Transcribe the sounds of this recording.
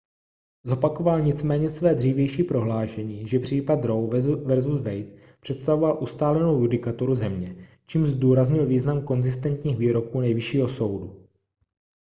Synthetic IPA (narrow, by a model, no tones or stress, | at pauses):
zo̞pako̞valɲɪt͡smɛːɲɛsvɛːdr̝iːvjɛjʃiːpɾo̞ɦlaːʃɛɲiːʒɛpr̝̥iːpat̪ɾo̞wvɛɾzusvɛjt̪̚ | pr̝̥ɛt̪st̪avovalʔust̪aːlɛnowjudɪkat̪oɾuzɛmɲɛ | t͡ʃiːmzduːɾazɲɪlviːznamko̞nzɪst̪ɛnt̪ɲiːɣviːɾo̞kuːnɛjvɪʃiːɦo̞so̞wdu